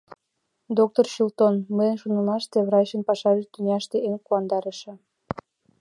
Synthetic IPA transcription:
d̪ok̚t̪orɕult̪onməjənʃunɤnɑʃt̪eβrɑɕə̆npɑʃɑʒet̪ynʲɑʃt̪eʔenkuɑnd̪ɑɾəʃĕ

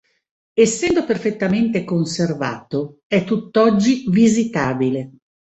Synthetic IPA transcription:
esːɛnd̪operfet̪ːament̪ekonserva̰ːt̪oɛt̪ːut̪ːɔd͡ʒːivizit̪aːbile

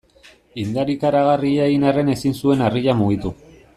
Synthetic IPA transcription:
ind̪aɾikaɾaɣariaeɣinare̞ne̞sinsue̞nariʎamuɣit̪u

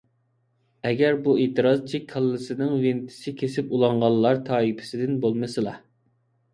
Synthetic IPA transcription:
ɛɡʲæɾbuet̪ʰɨɾɑzt͡ʃʰikʰɑlˠːɨsɪnɪŋvɪnt̪ʰɪ̥sɪkʲʰesɪpulˠɑɴʁɑlˠːɑɾt̪ʰɑːipʰɪ̥sɪd̪ɪnbolˠmɨsɨlˠɑ

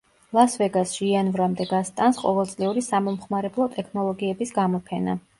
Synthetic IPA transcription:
lˠasvɛɡasʃianvɾamd̪ɛɡast̪ʼansqʼɔ̰vɛlˠt̪sʼliuɾisamɔmχmaɾɛblˠɔt̪ʼɛkʰnɔlˠɔɡiɛbisɡamɔpʰɛna̰

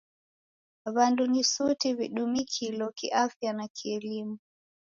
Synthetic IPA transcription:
βandunisutiβiɗumikʰilɔkiʔafjanakiɛlimu

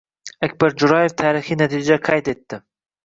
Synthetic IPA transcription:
akbaɾd͡ʒʊɾɑjeft̪ʰaːɾixinat̪ʰid͡ʒakʰajt̪et̪ːɪ

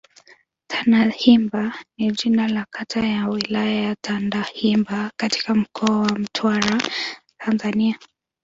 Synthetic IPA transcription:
tʰanahimbanid͡ʒinalakʰatʰajawilajajatʰandahimbakati̥kam̩kʰɔawam̩tʰwaɾatʰanzania

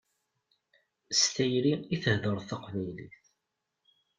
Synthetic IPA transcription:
st̪æjliiθəhðəɾˤθɑqvæjlḭθ

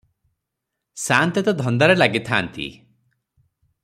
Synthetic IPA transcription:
sant̪ɔt̪ɔd̪ʱɔnd̪aɾelaɡit̪ʰant̪ḭ

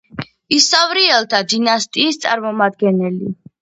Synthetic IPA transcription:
isavɾiɛlˠt̪ʰad̪inast̪ʼiːst̪sʼaɾmɔmad̪̚ɡɛnɛli

